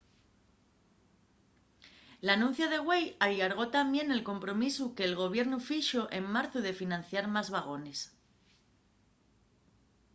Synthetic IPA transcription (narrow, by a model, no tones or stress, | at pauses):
lanũn̟θjaðe̞ɣwe̞jalaɾɣ̞o̞t̪ambje̞ne̞lko̞mpɾo̞misuke̞ːlɣ̞o̞β̞je̞ɾnufiʃoʔe̞mmaɾθuðe̞finãn̟θjaɾmazβaɣ̞o̞ne̞s